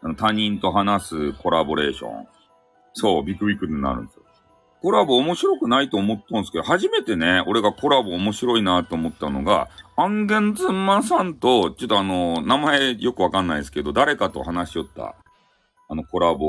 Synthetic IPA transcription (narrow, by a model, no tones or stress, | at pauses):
anot̪aɲ̟ĩnt̪o̞ɦanasɨko̞ɾabo̞ɾe̞̰ːɕõ̰ɴ | so̞ːbʲikɯ̟bʲikɯ̟ɾɯɲina̰ɾɯ̟̃nd̪esi̥o | ko̞ɾabo̞ːmo̞ɕiɾo̞kɯ̟nait̪o̞ːmo̞t̪ːãnsɨ̥ked̪ohaʑime̞t̪e̞ne̞o̞ɾe̞ɡako̞ɾabo̞ːmo̞ɕiɾo̞inat̪ːo̞ːmo̞t̪ːano̞̰ɡa̰ãŋɡẽ̞nd͡zɨmːãsãnt̪o̞t͡ɕot̪ːoano̞namae̞jo̞kɯβakãnːaid̪sɨ̥ked̪o̞d̪aɾe̞kat̪o̞̰hanaɕio̞t̪ːa̰ː | no̞ko̞ɾabo